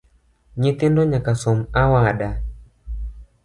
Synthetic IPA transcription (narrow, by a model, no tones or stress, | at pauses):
ɲit̪indɔɲakasɔmawaɗa